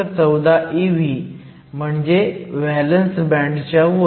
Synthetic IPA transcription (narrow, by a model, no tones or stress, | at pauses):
əɾt͡səwd̪aʔiʋi | m̤əɳd͡ʑeʋɛlənsbɛ̃ɳɖt͡ɕa